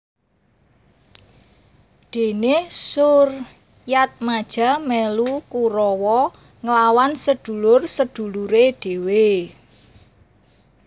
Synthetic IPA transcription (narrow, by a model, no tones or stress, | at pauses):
d̪̥e̤nesʊr | jat̪̚mad̥ʒ̥a̤melukuɾɔwɔ | ŋəlawansəd̪̥ṳlʊrsəd̪̥ṳluɾeɖ̥e̤we